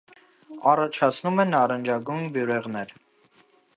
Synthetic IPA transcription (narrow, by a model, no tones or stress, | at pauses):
ɑrɑt͡ʃʰɑt͡sʰnumɛnɑɾənd͡ʒɑɡujnbjuɾɛʁnɛɾ